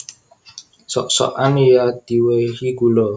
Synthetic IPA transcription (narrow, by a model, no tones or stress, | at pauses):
sɔ̰ʔsɔ̰ʔanijad̪̥iwehiɡulɔ